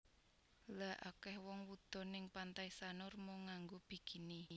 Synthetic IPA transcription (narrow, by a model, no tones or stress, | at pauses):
laʔakɛhwɔŋwud̪̥ɔ̤nɪŋpant̪aisanʊrmɔŋaŋɡob̥i̤ɡ̥i̤ni